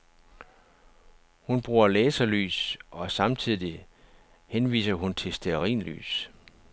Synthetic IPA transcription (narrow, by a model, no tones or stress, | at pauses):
hunb̥ʁuːɐlɛːsɐly̰ːsʔɒ̽sɑ̈mt͡sʰið̰ˠi | henʋḭːsɐɦunt͡sʰe̝sd̥eɐʁḭːnly̰ːs